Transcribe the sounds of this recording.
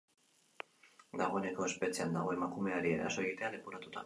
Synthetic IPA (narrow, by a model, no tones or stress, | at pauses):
d̪aɣ̞o̞e̞ne̞ko̞e̞spe̞t͡siand̪aɣ̞o̞e̞makume̞aɾiḛɾa̰so̞eɣit̪e̞aðepoɾat̪ut̪a̰